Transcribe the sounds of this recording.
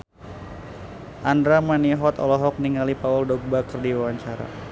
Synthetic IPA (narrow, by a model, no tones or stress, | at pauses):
ʔandɾamaniɦɔt̪ɔlɔɦɔk̚niŋalipaɔldɔɡ̚bakərdiwawaɲt͡ʃaɾa̰